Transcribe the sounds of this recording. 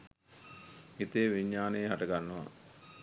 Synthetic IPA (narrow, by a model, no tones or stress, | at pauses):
it̪eːʋiɲːaːnejɦaʈɐɡanːəʋa̰